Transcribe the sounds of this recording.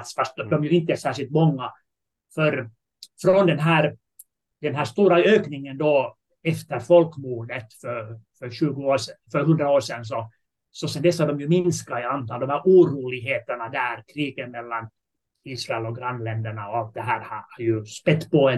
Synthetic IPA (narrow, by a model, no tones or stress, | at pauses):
t̪sfast̪̚d̪ɔmjɵɪnt̪əɛʂæːʂɪlt̪mɔŋːa | fœɾ | fɾɔnd̪ɛnɦæːɾ | d̪ɛnɦæːʂt̪uːɾaøːknɪŋənd̪ɔ | ɛft̪əɾfɔlkmuːɖ̪ət̪fœɾfœɾɕʉ̟ːɡʊoːɛfœɾɦɵnd̪ɾaoːʂɛnːs̬ɔ | sɔsɛnd̪ɛsːhɑɖɔmjɵmɪnskaɛant̪ɑːld̪ɔmaɾuːɾuːlɪɡɦeːt̪əɳad̪æːɾkʰɾiːɡət̪mɛlːan | iːsɾaɛlɔkɡɾanːlɛnd̪əɳaɔalt̪̚d̪ɛɦæːɾhahɑɾjɵspɛt̪ːpɔɛ